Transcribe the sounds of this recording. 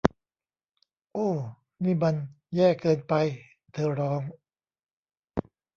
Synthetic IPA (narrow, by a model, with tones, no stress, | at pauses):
ʔoː˧˩ | miː˥˩ba˧n | jɛː˥˩kɤː˧npa˧j | t̪ʰɤː˧ɾɔː˦˥ŋ